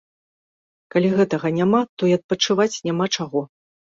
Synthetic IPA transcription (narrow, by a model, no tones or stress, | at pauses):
kalʲiɣɛt̪ɐɣɐnʲamat̪ɔiɐt̪̚pɐt͡ʂɨvat͡sʲnʲamat͡ʂaɣɔ